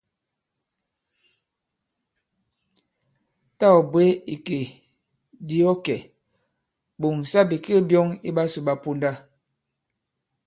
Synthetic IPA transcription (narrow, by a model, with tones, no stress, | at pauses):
ta˦˨ɔ˨bwe˦i˨ke˨ | di˦ɔ˦kɛ˨ | bo˨ŋ˨sa˦bi˨ki˦bjɔ˦ŋḭ˦ɓa˦su˨ɓa˦pu˦nda˦